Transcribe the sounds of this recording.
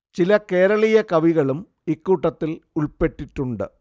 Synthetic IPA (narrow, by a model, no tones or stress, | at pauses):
t͡ɕilɐke̞ːɾɐɭijɐkɐʋiɣɐɭum | ikːuːʈːɐt̪ːiluɭpe̞ʈːiʈːuɳɖɨ̰